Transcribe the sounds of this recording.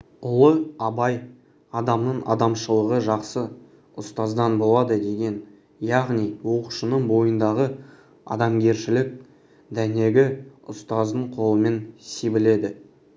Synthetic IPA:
ʊlˠəɑbɑj | ɑd̪ɑmnəɴʔɑ̰d̪ɑmʃəlˠəʁəʒɑqsə | ʊst̪ɑzd̪ɑnbo̞lˠɑd̪əd̪e̞ɡʲe̞n | jɑʁnijwo̞qu̥ʃənəɴbo̞jənd̪ɑʁə | ɑ̰d̪ɑmɡʲe̞ɾʃɪlɪk̚ | d̪æne̞ɡʲɪʊst̪ɑzd̪əɴqʰo̞lˠəme̞nsebɪle̞d̪ɪ

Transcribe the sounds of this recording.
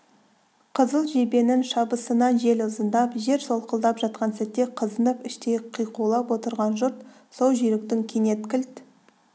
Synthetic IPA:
qʰəzəlˠʒebe̞nɪnʃɑbəsənɑnʒe̞lʊzənd̪ɑpʒe̞ɾso̞lˠqəlˠd̪ɑpʒɑt̪̚qɑnsæt̪ːe̞qʰəzənəpɪʃt̪eqʰijqulˠɑpwo̞t̪əɾʁɑnʒʊɾt̪ | solˠʒʏjɾɪk̚t̪ɪŋkʲʰene̞t̪̚kʲʰɪlt̪

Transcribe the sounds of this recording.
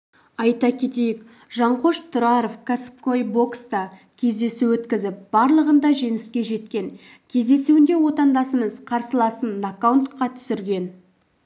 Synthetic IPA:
ɑjt̪ɑkʲʰe̞t̪e̞jɪk | ʒɑɴqʰo̞ʃt̪ʰʊɾɑɾofkʰasp̚kojbo̞kst̪əkʲʰe̞zd̪e̞suwɵt̪kʲɪzɪp̚b̥ɑɾlˠəʁənd̪ɑʒe̞nɪskʲe̞ʒe̞t̪kʲe̞ŋ | kʲʰe̞zd̪e̞suwɪnd̪e̞wo̞t̪ɑnd̪ɑsəməzqʰɑɾsəlˠɑsənakːawnt̪qɑt̪ʰʏ̥sɪɾɡʲe̞n

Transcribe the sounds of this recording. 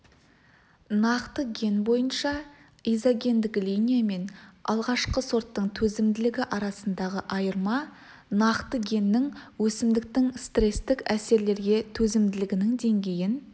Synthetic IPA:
nɑqt̪əɡʲe̞nbo̞jənʃɑ | ijzaɡʲe̞nd̪ɪklʲijnʲijame̞nɑ̰lˠʁɑʃqəso̞ɾt̪ːəɴt̪ʰɵzɪmd̪ɪlɪɡʲɪʔɑɾɑsənd̪ɑʁəʔɑjəɾmɑ | nɑqt̪əɡʲe̞nːɪŋwɵsɪmd̪ɪk̚t̪ɪŋst̪re̞st̪ɪkæse̞ɾle̞ɾɡʲe̞t̪ʰɵzɪmd̪ɪlɪɡʲɪnɪŋd̪e̞ŋɡʲe̞jɪn

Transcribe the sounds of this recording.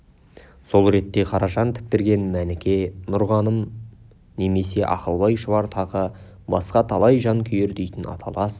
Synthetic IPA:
so̞lˠɾe̞t̪ːe̞qʰɑɾɑʃɑnt̪ʰɪ̥k̚t̪ɪɾɡʲe̞nmænɪkʲe̞nʊɾʁɑnəm | ne̞me̞se̞ʔɑ̰qəlˠbɑjʃəvɑɾt̪ʰɑʁə | bɑsqɑt̪ʰɑlˠɑjʒɑŋkʲʰʏje̞ɾd̪e̞jt̪ɪnɑ̰t̪ʰɑlˠɑs

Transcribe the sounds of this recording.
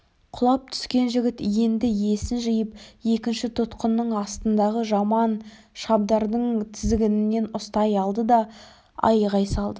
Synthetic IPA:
qʰʊlˠɑp̚t̪ʰʏ̥skʲe̞nʒɪɡʲɪt̪je̞nd̪ɪje̞sɪnʒɪjəpje̞kʲɪnʃɪt̪ʰʊt̪qənːəɴɑst̪ənd̪ɑʁəʒɑmɑn | ʃɑb̚d̪ɑɾd̪əɴt̪ʰɪzɪɡʲɪnɪnːe̞nʊst̪ɑjɑlˠd̪əd̪ɑ | ɑ̰jʁɑjsɑlˠd̪ə

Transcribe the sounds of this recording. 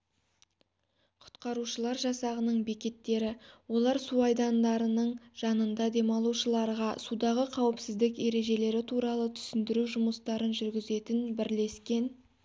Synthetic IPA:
qʰʊ̥t̪qɑɾuʃəlˠɑɾʒɑsɑʁənəɴbikʲe̞t̪ːe̞ɾɪwo̞lˠɑɾsuɑjd̪ɑnd̪ɑɾənəɴʒ̥ɑnənd̪ɑd̪e̞mɑlˠuʃəlˠɑɾʁɑsud̪ɑʁəqʰɑwɪpsɪzd̪ɪke̞ɾe̞ʒe̞le̞ɾɪt̪ʰuɾɑlˠət̪ʰʏ̥sɪnd̪ɪɾuʒʊməst̪ɑɾənʒʏɾɡʲɪze̞t̪ɪnbɪɾle̞skʲe̞n

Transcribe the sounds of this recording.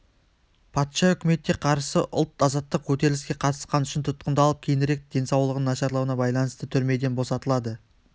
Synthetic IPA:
pʰɑt̪ʃɑʏkʲɪme̞t̪ːʲe̞qʰɑɾsəʔʊ̰lˠt̪ɑzɑt̪ːəq̚kʲʰɵt̪e̞ɾlɪskʲe̞qʰɑt̪ə̥sqɑnʏʃɪnt̪ʰʊt̪̚qənd̪ɑlˠəp̚kʲʰejɪnɪɾe̞k̚d̪̥e̞nsɑwlˠəʁənnːɑʃɑɾlˠɑwənɑbɑjlˠɑnəst̪ət̪ʰʏɾme̞d̪e̞nbo̞sɑt̪əlˠɑd̪ə

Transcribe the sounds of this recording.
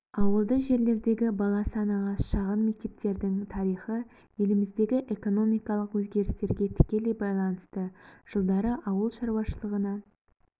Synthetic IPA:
ɑwəlˠd̪əʒe̞ɾle̞ɾd̪e̞ɡʲɪbɑlˠɑsɑnɑʁɑʃɑʁənme̞k̚t̪e̞p̚t̪e̞ɾd̪ɪŋt̪ʰɑɾijχə | je̞lɪmɪzd̪e̞ɡʲɪʔeko̞no̞mijkɑlˠəqwɵzɡʲe̞ɾɪst̪e̞ɾɡʲe̞t̪ʰɪ̥kʲe̞le̞jbɑjlˠɑnəst̪əʒ̥əlˠd̪ɑɾəʔɑwəlˠʃɑɾuwɑʃəlˠəʁənɑ

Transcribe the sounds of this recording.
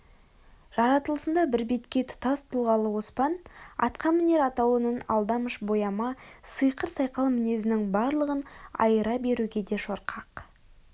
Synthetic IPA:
ʒ̥ɑɾɑt̪əlˠəsənd̪ɑbɪɾbe̞t̪kʲe̞t̪ʰʊ̥t̪ɑst̪ʰʊlˠʁɑlˠəwo̞spɑnɑ̰t̪qɑmɪne̞ɾɑt̪ɑwənənɑ̰lˠd̪ɑməʃbo̞jɑmɑsɨjqəɾsɑjqɑlˠmɪne̞zɪnɪŋbɑɾlˠəʁənɑ̰jəɾɑbe̞ɾuɡʲe̞d̪e̞ʃo̞ɾqʰɑq

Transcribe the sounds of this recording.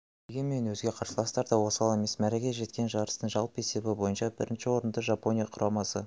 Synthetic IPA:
d̪̥e̞ɡʲe̞me̞nwɵzɡʲe̞qʰɑɾsəlˠɑst̪ɑɾd̪ɑwo̞sɑlˠe̞me̞smæɾekʲe̞ʒe̞t̪̚kʲe̞nʒɑɾəst̪əɴʒɑlˠpe̞se̞bɪbo̞jənʃɑbɪ̰ɾɪnʃɪwo̞ɾənd̪əʒɑpo̞nʲijɑqʰʊɾʔɑmɑsə

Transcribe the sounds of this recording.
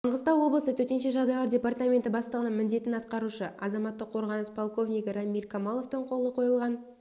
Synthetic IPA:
t̪ʰəɴʁəst̪ɑwwo̞blˠəsət̪ʰɵɾt̪e̞nʃe̞ʒɑʁd̪ɑjlˠɑɾdʲe̞part̪amʲe̞nt̪ɪbɑst̪ɑlˠʁɑnmɪnd̪e̞t̪ɪnɑt̪qɑɾuʃəʔɑzɑmɑt̪ːəqʰːo̞ɾʁɑnəspʰolˠko̞vnijkɾamːilkʰamɑlˠo̞ft̪əɴqʰo̞lˠəqʰo̞jəlˠʁɑn

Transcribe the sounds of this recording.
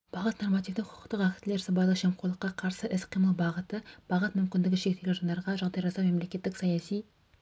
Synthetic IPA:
b̥ɑʁət̪no̞rmɑt̪ijvd̪ɪqʰʊ̥ʊ̥qt̪əqækʲt̪ːɪle̞ɾsɑbɑlˠəqʃemqʰolˠəqːɑqʰɑɾsəʔɪsqʰijməlˠbɑʁət̪əb̥ɑʁət̪mʏmkʲɪnd̪ɪɡʲɪʃekt̪eɡʲenʒɑnd̪ɑɾʁɑʒɑʁd̪ɑjʒɑsɑme̞mle̞kʲe̞t̪ːɪksɑjɑsij

